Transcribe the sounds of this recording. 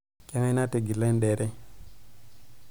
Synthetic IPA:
ke˦ŋa˦na˦te˨ɡi˨la˦nɗe˨ɾe˦

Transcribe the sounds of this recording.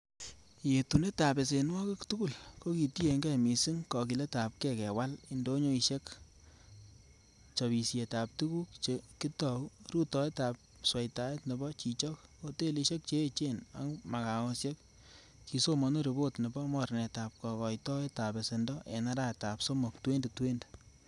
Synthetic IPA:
je˨tu˨ne˦ta˨pe˨s̬e˨nwɔ˦kɪ˦ktuku˦˨lko˦ki˨ti˦e˨ŋɡɛ˦˨mi˨si˦ŋkɔ˨k̬i˨le˦ta˨p̚kɛ˦˨kɛ˨wa˦lindo˦ɲo˦i˧ʃe˦k | t͡ʃɔ˨βi˨sje˨ta˨p̚tu˦ku˦kt͡ʃeki˦tɔ˨u˦ɾu˦tɔ˨e˦ta˨p̚ | swe˨jta˦e˦tne˨bɔ˦t͡ʃi˨t͡ʃɔ˦kko˨te˦li˧ʃe˦k̚t͡ʃe˦t͡ʃe˦na̰˦ŋma˨ka˨ŋo˨sje˦k | ki˨so˦mɔ˨no˦ɾe˨bo˦tne˨bɔ˦mɔ˨ɾne˨ta˨p̚kɔ˨kɔ˨jtɔ˦e˦ta˨be˨se˨ndɔ˦ʔḛ˨na˦ɾa˦˨ta˨pso˦mɔ˨ktwe˦nde˨twe˦nde

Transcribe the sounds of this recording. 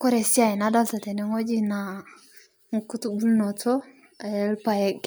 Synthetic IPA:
ko˦ɾe˨si˦a˦˨i˨na˦da˦lta˨te˨ne˦ŋo˦d͡ʒi˦na˨ | ŋ˨ku˦tu˦bu˦lno˨t͡so˦˨ | je˦lpa˨je˦ɡ

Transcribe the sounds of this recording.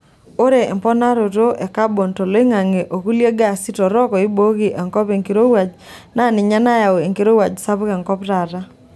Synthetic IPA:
o˦ɾe˨ɛ˨mpɔ˦na˦ɾo˨to˦ʔɛ˨ka˦bo˨nto˨lo˦ɪ˦ŋa˨ŋe˨ʔo˨ku˦lje˦ɡa˨sɪ˦tɔ˨ɾɔ˦kɔ˨ɪ˦bo˦ɡi˨ʔɛ˨ŋkɔ˦pe˨ŋki˨ɾo˦wa˨d͡ʒ | na˦˨nɪ˨ɲa˦na˦ja˨o˨e˨ŋke˨ɾo˦wa˨d͡ʒsa˦pkɛ˨ŋkɔ˦pɾa˨ɾa˦

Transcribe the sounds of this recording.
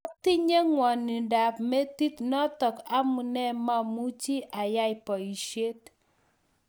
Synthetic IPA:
ɔ˦ti˦ɲe˦ŋwɔ˨ni˨da˨p̚me˦ti˦tnɔ˦tɔ˨ka˦mu˨nɛ˦˨ma˦mu˦t͡ʃi˦ʔa˨ja˦ɪ˨pɔ˨i˨ʃje˦t

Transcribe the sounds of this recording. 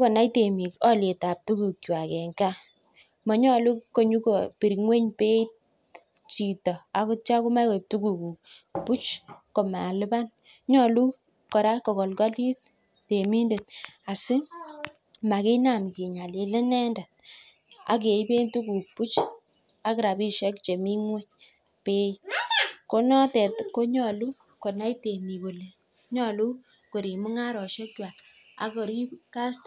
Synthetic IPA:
kɔ˨na˦jte˨mi˨kɔ˦le˨ta˨p̚tu˦ku˨k̚t͡ʃwa˨kɛ˨ŋɡa˦ | mɔ˨ɲɔ˦lu˦ko˨ɲu˦ko˨pi˨ɾi˨ŋwe˦ɲpe˦i˦t̚ | t͡ʃi˨tɔ˨a˦kʊ˦t͡ʃa˦ku˦ma˦kɔ˨p̚tu˦ku˨ku˨k̚ | pu˦t͡ʃko˨ma˨lɪ˦ba˦n | ɲɔ˦lu˦ | kɔ˨ɾa˦kɔ˨kɔ˨lkɔ˦li˦t̚ | te˨mi˦nde˨t̚a˨sɪ˦ | ma˨ki˦na˨m˨ki˨ɲa˨li˨lɪ˦nɛ˦nda˨t̚ | a̰˨k̬e˨i˦be˦ntu˦ku˨pu˦t͡ʃ | a˦kɾa˨bi˦ʃɛ˦kt͡ʃe˨mi˦ŋwɛ˦ | pe˦ | ko˦nɔ˦tɛ˨tko˦ɲɔ˨lu˦ | ko˨na˦i˦te˨mi˨ko˨le˨ | ɲɔ˨lu˦ | ko˨ɾi˨mu˦ŋa˦ɾɔ˨ʃɛ˦kwa˨ | a̰˨kɔ˨ɾi˦ka˦st

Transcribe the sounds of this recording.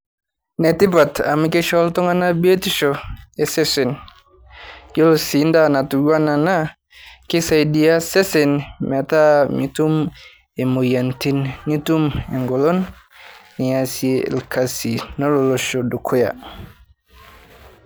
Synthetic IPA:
ne˨ti˦pa˨tʰa̰˨mi˦ke˦ʃɔ˦ltɔ˦ŋa˦na˦bi˦e˦ti˦ʃo˨e˨se˦sɛ˨n | jo˦lo˨si˨nda˦na˨tu˨ɡa˦na˨na˦ | ki˦sa˨jdi˨a˦se˦sɛ˨nmɛ˨ta˦mi˨tu˦m | e˨mo˨ja˨nti˦nːi˦tu˦me˨ŋɡɔ˨lo˦nː | i˨asiḛ˨lkʰasi˨no˦loloʃo˨du˨kʰu˦ja̰˨

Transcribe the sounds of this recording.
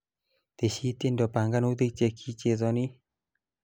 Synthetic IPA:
t̪e˨ɕi˧˦t̪e˥˨ndɔ˨pa˨ŋɡa˥˨nu˦d̪ɯ˦˧˨t͡ɕe˧˨kʰi˦˨t͡ɕe˧˨zɔ˧˨ni˦˨

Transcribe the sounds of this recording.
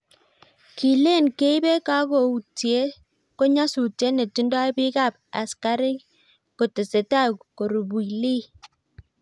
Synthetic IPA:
ki˨le˦˨nke˦i˦be˦ka˦ɡo˨u˨tje˦ | ko˦ɲa˦su˨tje˨˦ne˨ti˦n˦dɔ˦e˦bi˦ka˦˨p̚a̰˨ska˦ɾi˦ | ko˨te˨se˨ta˦˨ko˨ɾu˨bu˨i˨li˦˨

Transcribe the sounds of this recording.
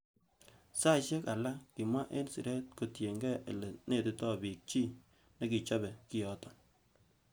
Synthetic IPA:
sa˦˨ʃe˦ka˨la˦kɪ˨mwa˦ʔe˦nsɪ̰˨ɾɛ˦t̚ko˨tje˨ŋɡɛ˦e˨lɛ˨ne˦˨tɪ˦tɔ˦˨bi˨k̚t͡ʃi˦ | nɛ˦ki˨t͡ʃɔ˦bɛ˨kɪ˦jɔ˨˦tɔ̥˨

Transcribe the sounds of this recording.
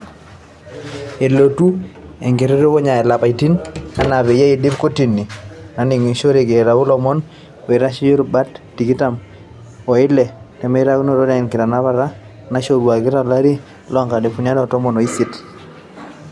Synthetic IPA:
e˨lo˨tu˦ḛ˨ŋɡe˨ɾe˦ɾo˦ko˦ɲa˨ɛ˨la˨pa˨i˨ti˦na˦na˨βe˨ja˦i˨di˦bko˦ti˨nːi˨na˨˦nɪ˨ŋi˨ʃo˦ɾe˨ɡe˨ɾa˨u˦lɔ˦mɔ˦n | we˨ɾa˦ʃi˦jo˦ɾba˦tːi˨ɡi˦ta˦m | ɔ˨ɪ˦lɛ˨tɛ˨me˦ɾa˦ɡu˦no˦˨ɾɔ˦dɛ˨nkɪ˨ɾa˨na˦βa˦˨ɾa˦ | na˨˦ʃo˦˨ɾwa˨ɡɪ˦ɾa˨la˦ɾi˦ | lɔ˦ŋka˨de˨pu˨n˦a˦dɔ˦˨tɔ˦mɔ˨no˨i˦si˦t

